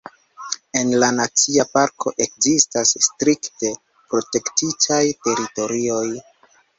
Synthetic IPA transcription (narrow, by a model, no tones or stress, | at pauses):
e̞nlanat͡siapaɾkʰo̞̰ʔe̞k̚zistasstɾikte̞ | pɾo̞te̞ktitʰajte̞ɾito̞ɾio̞j